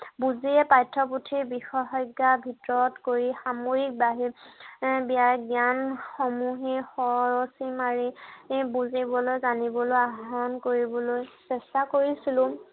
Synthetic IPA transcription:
buziɛpajtʰːɔputʰiɹbixɔxɔjɡːabʱitɔɹɔtkoɹixamoɹik̚baɦi | bijaɡjanxɔmuɦixɔɹosimaɹibuzibɔlojzanibɔlojaɦɔnkoɹibɔlojsɛstakoɹisilʊ̃

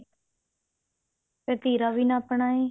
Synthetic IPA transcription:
pet̪iːɾaːʋiːnãːpɳaːeː

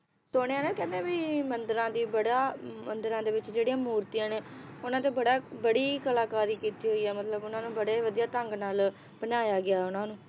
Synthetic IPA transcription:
soːɽ̃eãːnẽːkɛ̃ːd̪ẽːbiːmənd̪əɾãːd̪iːbəɽaːmənd̪əɾãːd̪eːʋɪt͡ʃd͡ʒeːɽijãːmuːɾt̪ijãːneːʊnãːt̪eːbəɽaːbəɽiːkəlaːkaːɾiːkiːt̪iːɦoiːɛːmət̪ləbʊnãːnũːbəɽeːʋəd̪ijaːt̪əŋɡnaːl | b̥ənaːjaːɡɪaːʊnãːnũː

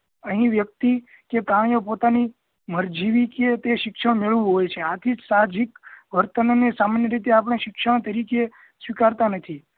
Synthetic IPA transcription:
əɦĩʋjək̚t̪i | kekaɳ̃jopot̪ani | məɾd͡ʒiʋiket̪eʃɪkʃəɽ̃meɭʋũɦojt͡ʃʰeat̪ʰid͡ʒsad͡ʒikʋəɾt̪ənonesamənjəɾit̪̬eap̬əɽ̃eʃɪkʃəɽ̃t̪əɾike | sʋikaɾt̪anət̪ʰi

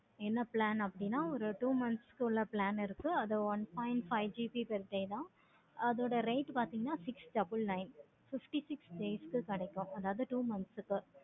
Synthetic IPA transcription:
ɛnːɐplaːnɐpːɐɽɪnːaːɔɾɯʈuːmɐnskːɯɪlːɐplaːnɪɾɯkːɯɐðɯʋɐnpaːɪnʈfɐɪd͡ʒiːpipɛɾʈːɐɪt̪ãː | ɐðoːɽɐɾɐɪʈːpaːɾt̪iːŋɡɐnːaːsɪksʈɐbɪlnɐɪn | fɪfʈisɪksɖeːskɯkɐɽɛkːʊ̃ʔɐðaːʋɐðɯʈuːmɐnsɯkːɯ

